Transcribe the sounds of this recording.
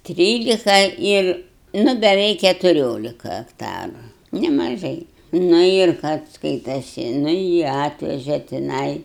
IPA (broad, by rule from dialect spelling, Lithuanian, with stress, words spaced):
ˈtʲrʲiːlʲɪkɐ ˈɪr ˈnʊ bʲɛˈʋʲɛɪk kʲɛtʊˈrʲoːlʲɪkɐ ɐkˈtɑːrʊ nʲɛmɐˈʒɐɪ ˈnʊ ɪr kɐt ˈskɐɪtɐsʲɪ ˈnʊ jiː ˈɑːtʲʋʲɛʒʲɛ tʲɪˈnɐɪ